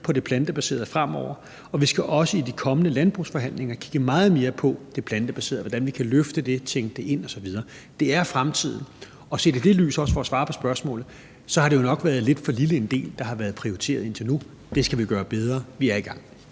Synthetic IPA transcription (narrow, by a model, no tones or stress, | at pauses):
pʰɒ̽d̥e̝pʰlænd̥əb̥æse̝̰ːɐðˠfʁam̰ɒʊ̰ɐ | ɒ̽ʋisɡ̥æʔɒ̽səid̥ikʰɒ̽mənəlænb̥ʁusfɒ̽ɦæn̰leŋɐkʰi̥ɡ̥əmɑ̈ːð̞̩ˠme̝ːɐpʰɒ̽d̥e̝pʰlænd̥əb̥æse̝̰ːð̩ˠʋɒd̥ænʋikʰæløfd̥əd̥e̝t͡sʰeŋɡ̥əd̥e̝ʔe̝n̰ɒ̽sɒ̽ʋið̞ˠɐː | d̥e̝æɐfʁamt͡sʰið̰ˠn̩ | ɒ̽se̝̰ːde̝d̥e̝ly̰ːsɒ̽səfɒ̽ɒsʋɑ̈ːpʰɒ̽sb̥ɶɐsmɔ̰ːlð̩ˠ | sɒ̽hɑ̈ɾe̝jo̝nɒ̽ɡ̥ʋæːɐðˠle̝d̥fɒ̽liləe̝nd̥e̝̰ːld̥ɑ̈ɦɑ̈ʋæːɐð̞̩ˠpʰʁioit͡sʰe̝̰ːɐð̞̩ˠe̝n̰t͡sʰe̝lnu | d̥e̝sɡ̥æʋiɡ̥ɶːɐb̥eð̞ˠʁɐːʋiæɐiɡ̥ɑ̈ŋ̰